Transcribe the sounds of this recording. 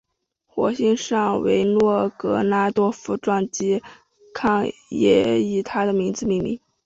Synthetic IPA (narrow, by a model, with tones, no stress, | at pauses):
xwɔ̰˧˥ɕi˥˧ŋʂɑ˥˩ŋwḛ˧˥ɪnwɔ˥˩kɤ˧˥na˥t̪wɔ˥fu˧˥ʈ͡ʂwɑ˥˩ŋt͡ɕi˥ | kʰɑ˥˩ŋjɛ̰˧˥i˨˩t̪ʰa˥d̪ə˨mi˧˥ŋd͡zɹ̩˧mi˥˩ŋmḭ˧˩˦ŋ